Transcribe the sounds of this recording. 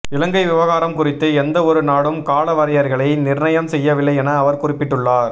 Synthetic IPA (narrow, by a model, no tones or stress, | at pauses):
ɪlɐŋɡɐɪʋɪʋɐɣaːɾɐmkʊrɪt̪ːɯɛnd̪ɐɔɾɯnaːɽɯmkaːlɐʋɐɾɐjɐɾɣɐɭɐɪnɪrɳɐjɐmsɛjːɐʋɪlːɐɪɛnɐːʋɐɾkʊrɪpːɪʈːɯɭːaːɾ